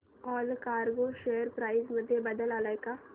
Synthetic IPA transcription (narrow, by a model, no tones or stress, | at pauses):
ɔːlkaːɾɡoʃeːəɾpɾaːɪzmʊd̪ʱːjebɐd̪əlaːlaːeka